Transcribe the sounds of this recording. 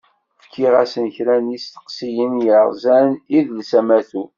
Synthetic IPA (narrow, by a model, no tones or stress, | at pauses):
fkːiʁæsənçɾænist̪ə̥qsijənjəʁzæniðlsæmæθu